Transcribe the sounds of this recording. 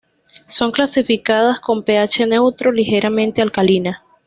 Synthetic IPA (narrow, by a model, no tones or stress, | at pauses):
so̞ŋklasifikaðasko̞mpe̞at͡ʃe̞ne̞wt̪ɾo̞lixe̞ɾʔamẽnt̪ealkalina